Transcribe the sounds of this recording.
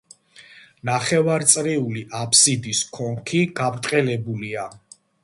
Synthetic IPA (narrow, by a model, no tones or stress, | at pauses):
naχɛvaɾt̪sʼɾiuliʔapʰsid̪iskʰɔŋkʰiɡ̥abɾt̪ʼqʼɛlɛbulia